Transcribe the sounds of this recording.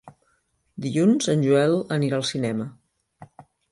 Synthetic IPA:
d̪iʎunzənʲʒuɛlˠəniɾaːlˠsinɛmə

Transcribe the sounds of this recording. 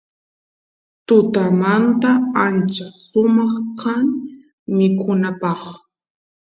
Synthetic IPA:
t̪ʊt̪amant̪aant͡ʃasʊmɑχkʰaŋ | mɪkʰʊnapɑχ

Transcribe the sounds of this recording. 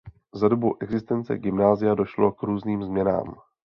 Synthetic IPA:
zadobuʔɛɡzɪst̪ɛnt͡sɛ̰ɡɪmnaːzɪjado̞ʃlo̞kɾuːzniːmzmɲɛna̰ːm

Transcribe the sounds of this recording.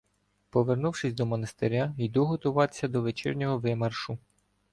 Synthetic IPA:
pɔʋernuwʃɪsʲd̪ɔmɔnɐst̪eɾʲaʋid̪uɦɔt̪ʊʋɑt̪e̥sʲɐd̪ɔʋet͡ʃɛ̰rnʲɔɦɔʋɪmɐrʃʊ

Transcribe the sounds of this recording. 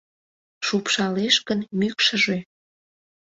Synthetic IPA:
ʃupʃɑleʃkənmykʃəʒø

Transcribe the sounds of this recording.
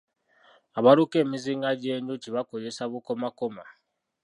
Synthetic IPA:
aβaɾuke̞ːmiziŋɡaɟe̞ːɲɟuciβako̞ze̞saβuko̞makoma

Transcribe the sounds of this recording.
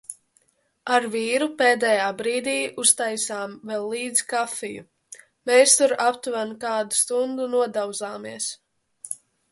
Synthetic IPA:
aɾviːɾupeːd̪ɛjaːbɾiːd̪iːust̪ajsaːmvɛlˠːiːd̪zkafijṵ | meːst̪uɾapt̪uɾankaːd̪ust̪und̪unuɔd̪aw̪zaːmiɛs

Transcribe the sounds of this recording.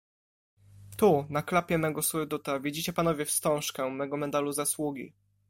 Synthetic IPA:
t̪unaklapʲjɛmɛɡɔsuɾd̪ut̪avʲid͡ʑit͡ɕɛpanɔvʲjɛfst̪ɔ̃w̃ʂkɛmɛɡɔmɛd̪aluzaswuɡʲḭ

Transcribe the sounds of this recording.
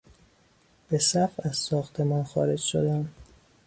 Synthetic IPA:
b̥e̞sæfæzsɒːxt̪ʰe̞mɒːnxɒ̰ːɾe̞d͡ʒʃo̰d̪æm

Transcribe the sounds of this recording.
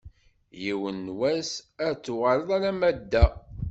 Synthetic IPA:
jiwənːwæsæt͡sːuʁəɾəðˤæɾæmæd̪ːæ

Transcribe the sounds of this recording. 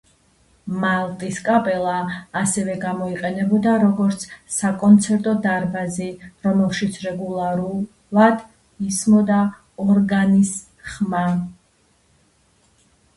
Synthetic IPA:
malˠt̪ʼiskʼapʼɛlˠaːsɛvɛɡamɔiqʼɛnɛbɔd̪aɾɔɡɔɾt̪sʰsakʼɔnt̪sʰɛɾt̪ʼɔd̪aɾbaziɾɔmɛlˠʃit̪sʰɾɛɡulˠaɾu | lˠad̪ | ismɔd̪a | ɔɾɡanis | χma

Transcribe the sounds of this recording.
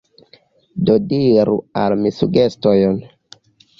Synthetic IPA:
dodiɾṵalmisuɡe̞stojon

